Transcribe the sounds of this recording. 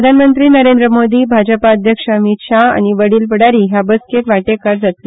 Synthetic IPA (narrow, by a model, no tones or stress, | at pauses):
əd̪ʱanmənt̪ɾiːnəɾend̪ɾəmod̪iːbʱad͡ʑəpaəd̪ʱjəkʂəmit̪ɕaa̰ñiʋəɽiːlpəɽaɾiːɦjabəskeʈʋaʈekaɾd͡zat̪le